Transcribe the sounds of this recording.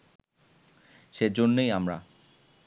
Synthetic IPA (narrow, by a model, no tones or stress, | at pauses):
ʃed͡ʑonːejamɾa̰